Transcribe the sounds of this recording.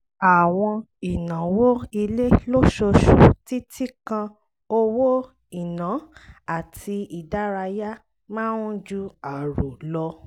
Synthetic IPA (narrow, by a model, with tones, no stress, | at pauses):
a˨w̃ɔ̃˧ | i˨nã˨˦wo˦i˧le˦lo˦ʃo˧ʃu˨ti˦tʰi˦kã˧ | o˧wo˦ | i˨nã˨˦a˨tʰi˧i˨da˦ɾa˧ja˦ | mãː˦ũ˦d͡ʒu˦a˨ɾo˨lɔ˦